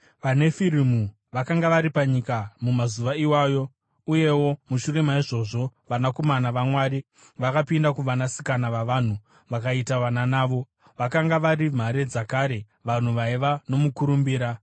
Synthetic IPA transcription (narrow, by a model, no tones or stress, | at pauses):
ʋane̞fiɾimu | ʋakaŋɡaʋaɾipaɲikamumazuʋaiwaːjo̞ | uje̞wo̞muʃure̞maiʐo̞ʐo̞ʋanako̞manaʋamwaɾi | ʋakapindakuʋanasi̥kanaʋaʋan̤u | ʋakaitaʋananaːʋo̞ | ʋakaŋɡaʋaɾim̤aɾe̞d͡zakaːɾe̞ | ʋan̤uʋaiʋano̞mukuɾumbiːɾa